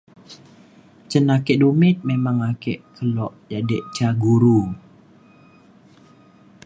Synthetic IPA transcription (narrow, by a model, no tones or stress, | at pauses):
t͡ʃənakɛʔdumɪt̪̚memaŋakɛʔkʰəlɔʔjadɛʔt͡ʃaɡuɾu